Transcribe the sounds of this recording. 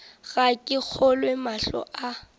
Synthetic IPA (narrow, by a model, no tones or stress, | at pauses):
ɣakʼɪk͡xʰɔlwemaɬɔ̰ʔa